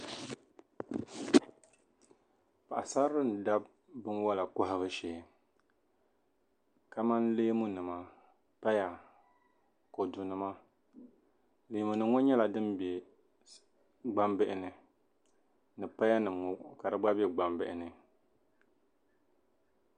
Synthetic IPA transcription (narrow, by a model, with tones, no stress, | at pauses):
pa˨ʔa˨sa˦ɾɨ˦n˨da˦b̚ː | ɨ˦nwa˦la˨kʊ˦ɦɪ˦βɨ˦ʃeː˨ | ka˦ma˦nleː˦mu˦nɨ˨ma˨ | pa˦ja˨ | ko˨du˨nɨ˨ma˦ | le˨˦mu˨nɨ˨˦ŋɔ˦ɲɛ˦la˨dɨ˦mbɛ˨ | ɡ͡ba˦mbɪ˦ʔɪ˨˦nɨ˨ | nɨ˨pa˦ja˦nɨ˨mŋɔ˨ka˨dɨ˦ɡ͡ba˦bɛ˦ɡ͡ba˦mbɪ˦ʔɪ˨nɨ˨